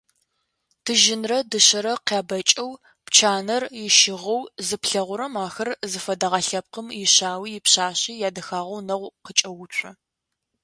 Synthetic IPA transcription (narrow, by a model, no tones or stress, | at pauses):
tʰɨʒɪnrɐdɨɕɐɾɐqaːbɐt͡ʃʼɐw | pt͡ʃʰaːnɐrjɪʃɪʁɐwzɨpɬɐʁʷʊɾɐmaːxɐrzɨfɐdɐʁɐɬɐp̚qəmjɪɕaːwiːjɪpɕaːɕiːjaːdɐxaːʁɐwnɐʁʷqət͡ʃʼɐwʊt͡ʃʷʼɐ